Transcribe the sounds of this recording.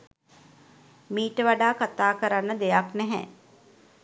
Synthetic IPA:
miːʈəʋaɖaːkat̪aːkəɾanːəd̪ejaknɛɦɛ̰

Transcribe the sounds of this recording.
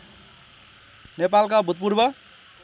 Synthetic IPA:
nepalkabʱut̪̚purbʌ

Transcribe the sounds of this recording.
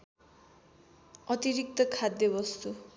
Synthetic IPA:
ʌt̪iɾik̚t̪ʌkʰad̪jʌbʌst̪u

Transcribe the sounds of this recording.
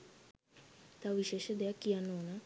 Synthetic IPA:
t̪aʋʋiʃeːʃəd̪ejakːijanːoona

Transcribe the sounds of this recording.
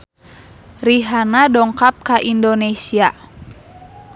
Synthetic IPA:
riɦanadɔŋkap̚kaʔindonesia

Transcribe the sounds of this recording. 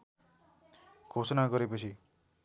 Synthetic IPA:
ɡʰʱosɔnaɡʌɾepʌt͡sʰi

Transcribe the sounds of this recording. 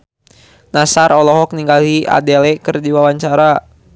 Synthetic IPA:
nasaɾɔlɔɦɔk̚niŋɡaliʔa̰dɛlɛkɨrdiwawaɲt͡ʃaɾa

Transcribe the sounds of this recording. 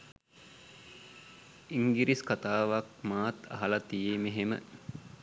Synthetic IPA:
iŋɡiɾiskat̪aːʋakmaːt̪ʰɐ̰ɦɐlat̪ijemeɦemə̰

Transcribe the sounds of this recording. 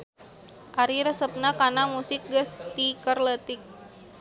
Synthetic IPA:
ʔaɾiɾəsəp̚nakanamusɪk̚ɡəst̪ikərlət̪ɪk̚

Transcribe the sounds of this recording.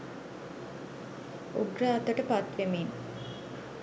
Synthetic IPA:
uɡɾaːt̪əʈəpat̪ʋemen

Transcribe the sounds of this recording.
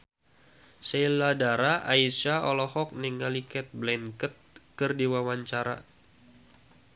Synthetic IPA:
selːadaɾaʔaisaɔlɔhɔk̚niŋalikɛt̪̚blɛnkət̪̚kərdiwawaɲt͡ʃaɾa̰

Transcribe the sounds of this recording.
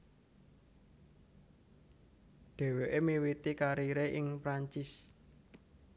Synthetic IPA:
ɖ̪̥e̤weʔemiwit̪ikaɾiɾeʔɪŋpɾaɲt͡ʃɪs

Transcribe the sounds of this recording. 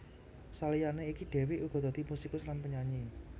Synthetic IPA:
salijaneikiɖ̥e̤wɪʔuɡ̥ɔ̤d̪a̤d̪̥imusikʊslanpəɲaɲi

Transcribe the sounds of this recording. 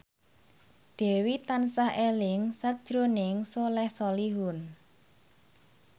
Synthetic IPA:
ɖ̪̥ɛ̤wit̪ansahelɪŋsad̥ʒ̥ɾonɪŋsolɛhsɔliɦʊn

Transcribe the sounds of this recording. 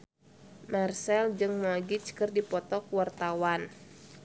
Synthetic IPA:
marsɛld͡ʒɨŋmɔɡit͡ʃkɨrdipɔt̪ɔkuwart̪awan

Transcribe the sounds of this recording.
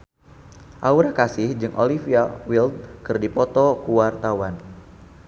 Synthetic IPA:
ʔauɾakasɪhd͡ʒɨŋʔo̰lifiawild̪̚kɨrdipɔt̪ɔkuwart̪awan

